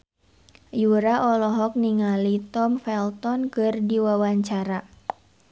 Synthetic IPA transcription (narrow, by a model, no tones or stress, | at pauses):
juɾaʔɔlɔɦɔk̚niŋalit̪ɔmfɛlt̪ɔnkɨrdiwawaɲt͡ʃaɾa